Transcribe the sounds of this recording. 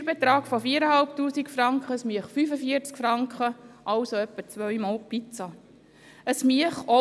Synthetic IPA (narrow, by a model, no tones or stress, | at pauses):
bet̪ɾɑːɡfofiːəɾəhɑlptuːsikfɾɑŋkχəsmiəχfyːfəfiəɾt͡skfɾɑŋkχəʔɑwsoœpːət͡sʋœjmɑːlpit͡sɑ | əsmiəχɔ